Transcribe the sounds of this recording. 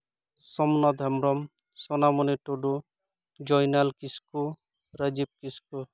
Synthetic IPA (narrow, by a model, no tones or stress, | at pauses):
sɔmnɔd̪ʱɛmɾɔm | sɔnamɔniʈoɖu | d͡ʒɔjnalkisku | ɾəd͡ʒip̚kisku